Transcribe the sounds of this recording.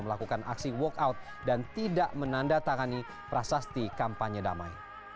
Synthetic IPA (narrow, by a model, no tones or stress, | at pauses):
məlakukanʔa̰ksiwɔkawt̪̚ | dant̪idaʔmənandat̪aŋani | pɾasast̪ikampaɲəda̰ma̰j